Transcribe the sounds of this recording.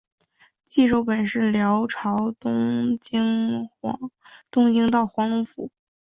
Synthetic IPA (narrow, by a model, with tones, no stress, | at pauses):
t͡ɕi˥˧ʈ͡ʂo˥˩ʊpə˨˩nʂɻ̩˥˩ljɑ˧˥ʊʈ͡ʂʰɑ˧˥ʊt̪ŋ˥ | t̪ʊ˥ŋt͡ɕi˥ŋt̪ɑ˥˩ʊxwɑ˧˥ŋlʊ˧˥fṵ˧˥